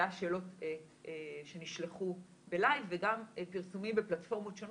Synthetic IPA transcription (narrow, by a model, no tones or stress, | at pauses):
aʃe̞ːlo̞tː | ʃe̞niʃleχu | be̞lajvːeɡampiʁsumimbeplatfo̞ʁmotʃon